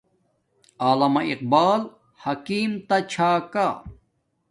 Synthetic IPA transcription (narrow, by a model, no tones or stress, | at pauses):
aːlɐmɐiq̚baːl | hɐkiːmt̪ɐt͡ɕʰaːka